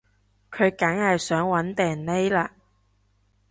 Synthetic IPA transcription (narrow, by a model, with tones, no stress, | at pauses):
kʰɵ˨˧ɥkɐ˨˥ŋhɐ˨jsœː˨˥ŋwɐ˨˧˥nt̪ɛː˨˩nle˥jlaː˧